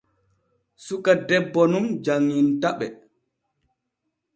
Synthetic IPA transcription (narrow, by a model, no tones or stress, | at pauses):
sukadɛbːɔnumd͡ʒaŋːintaɓɛ̰